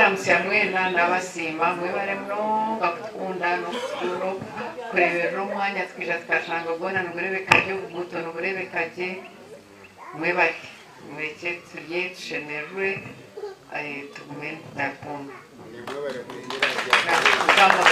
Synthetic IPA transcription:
amusiamwe̞ːndanaβasiːmamweβaɾemnoŋɡaku̥tu̥kuːndanokutuɾuɾokuɾe̞βeɾuɾomwaːɲatu̥kiːʃatu̥kaʃaːŋɡaɡoːnanoβuɾe̞βekaɾɟeβuɡutonoβuɾe̞βe̞kaɟe | mweβaɾi | muɾecetʰuɾjetu̥ʃeneɾuɾe | tuɡumennaɾukuːnda | aukaːŋɡa

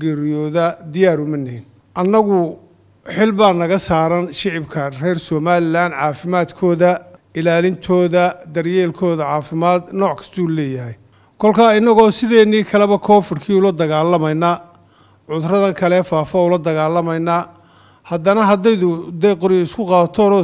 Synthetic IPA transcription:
ɡɛɾɪjɔːðɐd̪ɪjaːɾʊmɐnɪhɪn | ʔɐnːɐɣʊ | ħɪlbaːnɐɣɐsaːɾɐnʃɪʕɪbkʰɐrɛːrsɔːmaːlɪlaːnʕaːfɪmaːd̪kʰɔːðɐɪlaːlɪnt̪ʰɔːðɐd̪ɐrjɛːlkʰɔːðɐʕaːfɪmaːd̪nɔːʕkʰɐ̥st̪ʰɔulɛːjɐɦɛj | kʰɔlkʰaːɪnːɐɣɔːsɪðɛːniːkʰɐlɛβɐkʰɔːfɪrkʰiːʊlɐd̪ɐɣaːlːɐmɐjna | ʕʊðrɐðɐŋkʰɐlɛfaːfɐʊlɐd̪ɐɣaːlːɐmɐjnaː | hɐd̪ɐnɐɦɐd̪ɛjðʊd̪ɛjqʊɾɪɪskʰʊqɑːt̪ʰɔːnɔː

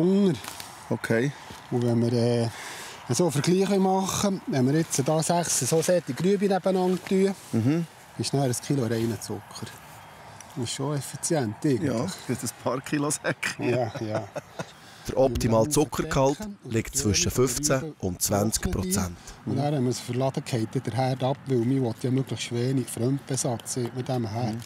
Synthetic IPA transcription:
ŋəɾ | okʰeɪ | uʋɛnməɾɛː | əsoːfəɾɡ̥liːχʋemɑχəʋɛnməɾɪt͡sədɑːsæχsəsoːsɛt̪iɡɾyəbinæb̥ənɑŋt̪yə | ɪʃnæːɾəskʰiloɾɛɪnət͡sʊkχəɾ | ɪʃʃoɛfit͡sjænt̪ːɪɡnləχɪtəspʰɑɾkʰχilosɛkχjɑːjɑː | d̥əɾʔɔpt̪imɑːlt͡sʊkχəɾkʰɑltlɪktt͡sʋʏʃəfʏft͡sæʔʊnt̚t͡svænt͡skpɾɔt͡sænt̪ʊnæːɾhɛməsfəɾlɑd̥əkʰhɛɪt̪ːɛd̥̪əɾɦæːɾdɑpʋɪwmiʋɔt̪jɑmøɡləχsʃʋɛːɾnifɾœmpbɛsɑt͡seːtmɪdæməɦæːɾ

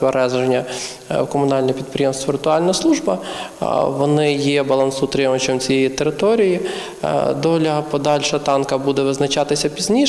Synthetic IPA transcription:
pɐɾɛzʐenʲːɐ | kɔmʊnɑlʲnɐpʲid̪̚pɾʲɪjeɛmst̪ʋɐʋʲɪrt̪ʊɑlʲnɐjɐslˠuʐbɐ̰ | ʋɔnɪjebɐlˠɐnsut̪ɾɪmɐt͡ʃʲɔmt͡sʲijejit̪eɾɪt̪ɔɾʲiji | d̪ɔlʲɐɐpɔd̪ɑlʲʃɛt̪ɑnkɐbud̪ɛʋɪznɐt͡ʃɑt̪ɪsʲɐpʲizʲnʲi

